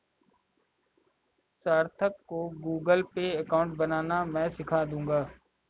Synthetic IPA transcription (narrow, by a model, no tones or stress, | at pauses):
saːɾt̪ʰəkːoːɡuːɡəlpeəkaːʊ̃ɳʈbənaːnamɛ̃ːsɪkʰaːd̪ũːŋɡaː